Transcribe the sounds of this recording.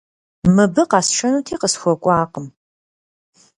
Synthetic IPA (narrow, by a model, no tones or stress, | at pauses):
mɨbɨqɑːsʃʰɐnuːtʰiːqəsxʷɔkʷʼaːqʼəm